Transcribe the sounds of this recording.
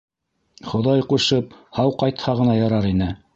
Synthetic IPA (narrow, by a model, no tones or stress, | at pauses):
χŏðɑjquʃɤp̚hɑwqɑjt̪hɑʁɤ̆nɑjɑɾɑɾinɘ